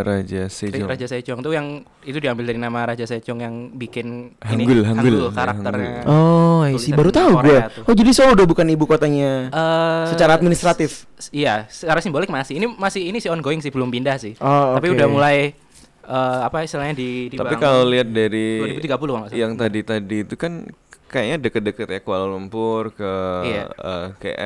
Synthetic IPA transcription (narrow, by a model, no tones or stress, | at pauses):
ɾad͡ʒaseɾad͡ʒasat͡ʃɔŋt̪ujaŋ | it̪udiambɪldaɾinamaɾad͡ʒasat͡ʃɔŋjaŋbikɪnhaŋɡʊlɦaŋɡʊlkaɾaŋərɲaɔsɪbaɾut̪auɡuɛtɔd͡ʒadisoudahbukanibukot̪aɲaəsət͡ʃaɾaːt̪̚minist̪ɾat̪ɪf | ijasəaɾasɪmbolɪk̚masɪhinimasɪhinisiɔnɡoɪŋsɪblʊmpindahsɪhoaapiudahmulaj | əːapaist̪əlaɲadidit̪aapikaloliat̪̚daɾidiut̪iɡapulʊkanasjaŋt̪adit̪adiːt̪ukankajaɲadəkət̪̚dəkət̪jakəwalalumpʊrkəa̰ə̰kḛʔɛ̰